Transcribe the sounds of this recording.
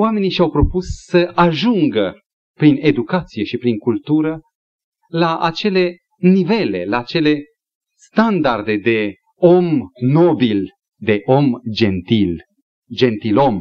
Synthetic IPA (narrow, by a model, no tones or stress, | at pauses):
oame̞niʃawpɾo̞pusːəʔaʒuŋɡə | pɾine̞d̪ukat̪sije̞ʃipɾiŋkult̪uɾə | laʔa̰t͡ʃe̞le̞ | nive̞le̞̰laːt͡ʃe̞le̞ | sst̪and̪ard̪e̞d̪e̞ | omno̞bil | d̪e̞ʔo̞md͡ʒent̪il | d͡ʒe̞nt̪ilo̞m